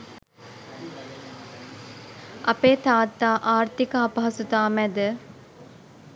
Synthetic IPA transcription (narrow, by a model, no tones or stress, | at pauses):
ɐpeːt̪aːt̪ːaːʔaːɾt̪ikəɐpɐɦɐsut̪aːmæd̪ə